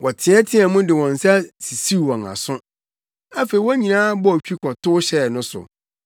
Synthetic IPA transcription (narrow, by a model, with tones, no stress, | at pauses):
wʔɔ˨tʰɪ̃˨ɛ˦tʰɪ̃˦a˨mʊ̃˦dɪ˨wɔ̃˨n˨sa˦si˨si˦u˨wɔ̃˨na̰˨sʊ̃˦ | a˦fe˨i˨wɔ˦ɲĩ˨nãː˦bɔ˦˨t͡ɕᶣi˦kʰɔ˨tʰʊ˦ɕɛ˦˨nʊ̃˦sʊ̰˨